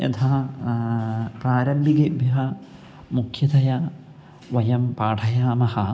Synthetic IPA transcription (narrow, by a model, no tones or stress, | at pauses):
ḛt̪ʰa | praːɾɐmbʱiɡebjɐɦɐ | mukʰjɐd̪ɐja | ʋɐjɐmpaːʈʰɐjaːmɐhɐ